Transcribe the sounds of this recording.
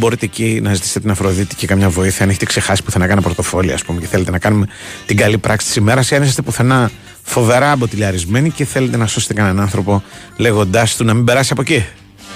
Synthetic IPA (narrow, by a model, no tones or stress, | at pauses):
bo̞ɾit̪eːcinɐzit̪i̥set̪enɐfɾo̞ðit̪icekɐmɲɐvo̞iθiɐneçet̪ekse̞xɐsi̥puθenɐkɐnɐpɾot̪o̞fo̞liɐ̰spume̞ce̞θe̞let̪e̞nɐkɐnume̞ | t̪iŋɡɐlipɾʔɐksi̥t̪i̥sime̞ɾɐseɐnisɐst̪e̞puθenɐ | fo̞ve̞ɾɐːpo̞t̪iʎɐɾizme̞niceθele̞t̪e̞nɐso̞set̪ekɐnɐnɐnθɾo̞po̞ | le̞ɣo̞nd̪ɐst̪unɐmĩmbe̞ɾɐsiɐpo̞ci